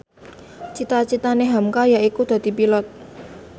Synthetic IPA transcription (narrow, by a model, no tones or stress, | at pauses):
t͡ʃit̪at͡ʃit̪aneɦamkajaʔikud̪̥ä̤d̪̥i̤pilɔt̪̚